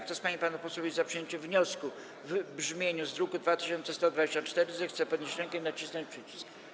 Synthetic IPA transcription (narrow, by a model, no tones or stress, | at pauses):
k̪t̪ɔspaɲipanupɔswɔvʲeizapʂɨjeɲt͡ɕɛvɲɔsku | vbʐmʲjeɲuzd̪ɾukud̪vat̪ɪ̥ɕɔnsɛst̪ɔd̪vad͡ʑeɕt͡ɕat͡ʂt̪ɛɾɘzɛxt̪sɛpɔd̪ɲeɕɾɛŋkɛnat͡ɕisnɔɲt͡ɕpʂɘt͡ɕi̥sk